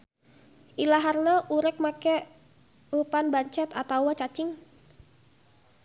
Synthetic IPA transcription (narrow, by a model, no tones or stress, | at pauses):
ʔilaɦarnaʔuɾɛk̚makɛ | əpanbaɲt͡ʃɛt̪at̪awat͡ʃat͡ʃɪŋ